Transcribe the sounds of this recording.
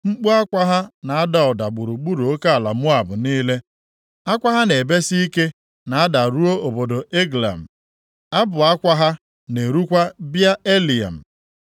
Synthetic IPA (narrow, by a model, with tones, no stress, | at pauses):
ŋ͡m̩˦k͡pu˦a˦kʷa˦ɦa˦na˨a˦da˨ɔ˨da˨ɡ͡bʊ˨ɾu˨ɡ͡bu˦ɾo˨o˦ka˦a˨la˨mʊ˦a˨bʊ˨niː˦le˦ | a˦kʷa˦ɦa˦ne˨be˦si˦i˦ke˦ | na˨a˦da˨ɾu˦o˦o˨bo˨do˨ʔe˦ɡla̰˨m̩˨ | a˦bʊ˨a˦kʷa˦ɦa˦ | ne˨ɾu˦kʷa˦bja˦e˦li˨a̰˨m̩˨